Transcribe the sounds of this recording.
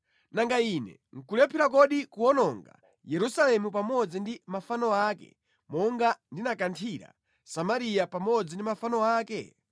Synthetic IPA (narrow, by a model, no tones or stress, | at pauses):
naŋɡainɛ̰ | ŋ̩kulɛpʰiɾakɔɗikuɔnɔŋɡa̰ | jɛɾusalɛmupamɔd͡zindimafanɔaːkɛ̰ | mɔŋɡandinakantʰiɾa̰ | samaɾijapamɔd͡zindimafanɔaːkɛ